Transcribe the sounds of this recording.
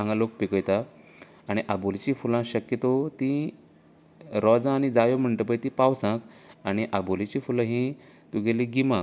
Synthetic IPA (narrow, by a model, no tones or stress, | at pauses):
ãŋɡalok̚pikəjt̪a | aɽ̃iʔabolit͡ɕiːfulãɕəkjət̪ot̪ĩ | ɾɔd͡zãːɽ̃id͡zajom̤əɳʈəpəjt̪ĩpawsãkaɽ̃iʔabolit͡ɕifulãɦĩ | t̪uɡʱeliɡima